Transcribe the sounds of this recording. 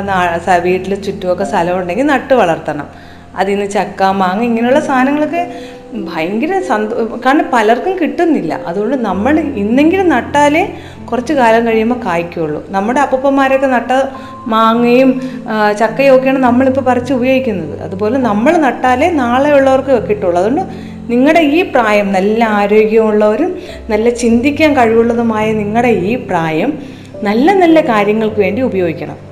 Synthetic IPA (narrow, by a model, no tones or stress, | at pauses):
naːsɐʋiːʈːilt͡ɕutːuʋokːest̪ʰɐlɐmuɳɖe̞ŋɡilnɐʈːɨʋɐɭɐrt̪ːɐɳɐ̰m | ɐ̰ðinːɨt͡ɕɐkːaːmːaːŋːɐiŋːɐnejuɭːɐst̪ʰaːnɐŋːɐɭokːe | bʱɐjɐŋɡiɾɐsɐnd̪kːaːɾɐɳɖɐpɐlɐrkumkiʈːunːilːɐ̰ʔɐðuɣo̞ɳɖɨnɐmːɐɭinːe̞ŋɡilumnɐʈːaːle | kurɐt͡ɕːɨkaːlɐmkɐɻijumboːkaːjikʲːuuɭːṵnɐmːuɽeɐpːupːɐmːaːɾokːenɐʈːɐ | maːŋːɐjumt͡ɕɐkːɐjo̞ːɡijɐɳɐmnɐmːɐɭipːoːpɐrɐt͡ɕːɨubɐjo̞ːɡikʲːunːɐðɨ̰ʔɐ̰ðupo̞ːle̞nɐmːɐɭnɐʈːaːle̞naːɭejuɭːɐʋɐrkːɨokːiʈːuɭːɐðoɳɖɨ | niŋːɐɭɽe̞iːpraːjɐmnɐlːɐaːɾo̞ːɡʲjɐmuɭːɐoɾum | nɐlːɐt͡ɕind̪ikʲːaːnkɐɻiʋuɭːɐðumaːjɐniŋːɐɽe̞iːpraːjɐm | nɐlːɐnɐlːɐkaːɾjɐŋːɐɭkɨʋe̞ːɳɖiubɐjo̞ːɡikʲːɐ̰ɳɐ̰m